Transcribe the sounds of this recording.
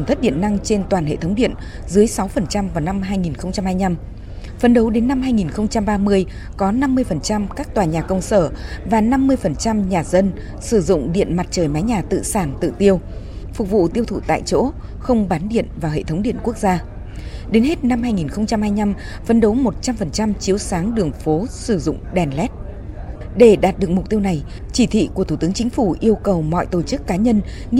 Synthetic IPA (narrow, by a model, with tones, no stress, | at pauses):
t̪ʰə˦˥t̚ɗḭ˧˨ənːa˧ŋt͡ɕe˧nt̪waː˨˩nhḛ˧˨t̪ʰə˨˦wŋ͡mɗḭ˧˨ən | zɨ˨˦əjsa˨˦wfə˨˩nt͡ɕa˧mvaː˨˩wna˧mɦaː˧jŋi˨˩nxə˧wŋ͡mt͡ɕa˧mhaː˧jɲa˧m | fə˨˦nɗə˨˦wɗe˨˦nːa˧mɦaː˧jŋi˨˩nxə˧wŋ͡mt͡ɕa˧mɓaː˧mɨ˧əj | kɔ˨˦na˧mːɨ˧əjfə˨˩nt͡ɕa˧mkaː˦˥k̚t̪waː˨˩ɲaː˨˩kə˧wŋ͡msəː˧˩vaː˨˩na˧mːɨ˧əjfə˨˩nt͡ɕa˧mɲaː˨˩zə˧n | sɨ˧˩zʊ̰˧˨ŋ͡mɗḭ˧˨ənma˨˩t̚t͡ɕəː˨˩jmaː˨˦jɲaː˨˩t̪ɨ̰˧˨saː˧˩nt̪ɨ̰˧˨t̪i˧əw | fʊ˨˩k͡p̚vṵ˧˨t̪i˧əwt̪ʰṵ˧˩t̪a̰ː˧˨jt͡ɕo̰˧˥ | xə˧wŋ͡mɓaː˨˦nɗḭ˧˨ənvaː˨˩hḛ˧˨t̪ʰə˨˦wŋ͡mɗi˧˨ənku˦˥ək̚zaː˧ | ɗe˨˦nhe˦˥t̚na˧mhaː˧jŋi˨˩nxə˧wŋ͡mt͡ɕa˧mhaː˧jɲa˧m | fə˨˦nɗə˨˦wmo˨˩t̚t͡ɕa˧mfə˨˩nt͡ɕa˧mt͡ɕi˨˦əwsaː˨˦ŋɗɨ˨˩əŋfo˨˦sɨ˧˩zʊ̰˧˨ŋ͡mɗɛ˨˩nlɛ˦˥t̚ | ɗe˧˩ɗaː˨˩t̚ɗɨ˨˩ək̚mʊ˨˩k͡p̚t̪i˧əwna˨˩j | t͡ɕi˧˩t̪ʰḭ˧˨ku˧˩ət̪ʰu˧˩t̪ɨ˨˦əŋt͡ɕï˨˦ŋ̟fu˧˩ʔi˧əwkə˨˩wmɔ̰˧˨jt̪o˧˩t͡ɕɨ˦˥kːaː˨˦ɲə˧n